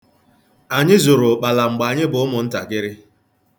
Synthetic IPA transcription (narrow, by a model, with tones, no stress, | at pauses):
a˨ɲɪ˦zʊ˨ɾʊ˨k͡pa˨la˨ŋ͡m̩˨ɡ͡ba˨ɲɪ˦bʊ˦ʊ˦mʊ˨n̩˦ta̰˨ɡɪ˦ɾɪ˦